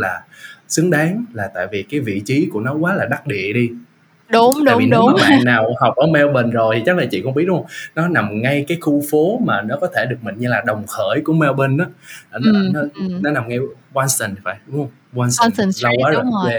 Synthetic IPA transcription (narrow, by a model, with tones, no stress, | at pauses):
laː˨˩ | sɨ˨˦əŋɗaː˨˦ŋlaː˨˩t̪a̰ː˧˨jvi˨˩kaː˨˦jvḭ˧˨t͡ɕi˨˦ku˧˩ənɔ˨˦kwaː˨˦laː˨˩ɗa˦˥t̚ɗḭ˧˨əɗi˧ | ɗʊː˨˦˧jvi˨˧˦ma̰ː˧˨nːaː˨˩wha˨˩wk͡p̚ʔəː˧˩mɛ˧wɓə˨˩nzo˨˩jt̪ʰi˨˩t͡ɕa˦˥k̚laː˨˩t͡ɕḭ˧˨kɔ˧ŋ͡mɓi˦˥ət̚hwŋ͡mnɔ˨˦na˨˩mŋa˧jkaː˨˦jxu˧fo˨˦maː˨˩nɔ˨˦kɔ˨˦t̪ʰe˧˩ɗɨ˨˩ək̚mï˨˩ŋ̟ɲɨ˧laː˨˩ɗə˨˩wŋ͡mxəː˧˩jku˧˩əmɛ˧wɓə˧nʔaː˨˦˨n˨˦˨nɔ˨˦na˨˩mŋa˧jwaː˧nsə˨˩n˨˩faː˧˩jə˧ŋ | waː˧nsla˧wkwaː˨˦zə˨˧˩